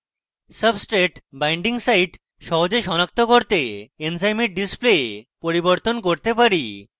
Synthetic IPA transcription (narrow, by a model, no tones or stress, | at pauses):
səbsʈɾeʈbajɳɖiŋsajʈ | ʃɔɦod͡ʑeʃɔnak̚t̪okoɾt̪eensajmiɾ̚ɖispleepoɾiboɾt̪onkoɾt̪epaɾi